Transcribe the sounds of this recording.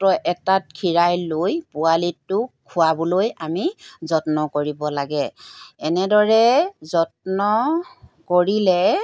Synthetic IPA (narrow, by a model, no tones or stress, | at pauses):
tɔʔɛtat̚kʰiɹajlojpʊalitːʊkʰʊwabɔlojamizɔtnɔkoɹibɔlaɡɛɛnɛdɔɹɛzɔtnɔ | koɹilɛ